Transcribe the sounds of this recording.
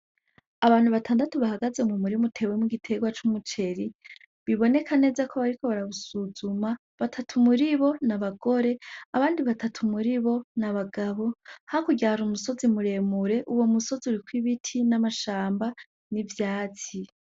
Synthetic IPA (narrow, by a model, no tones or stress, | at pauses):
aβaːn̥huβatʰaːndatoβahaɡaze̞mumuɾimutʰe̞ːwe̞muɡitʰe̞ɡwat͡ʃumut͡ʃe̞ɾi | βiβo̞ne̞kʰane̞ːzakʰo̞βaɾikʰo̞βaɾaβusuzuma | βatʰatʰumuɾiβo̞naβaɡo̞ɾe̞aβaːndiβatʰatʰumuɾiβo̞naβaɡaβo̞hakuɟaɾumuso̞zimuɾe̞muɾe̞ʔuwo̞muso̞ziuɾikwiβitʰinamaʃaːmba | nivjaːt͡si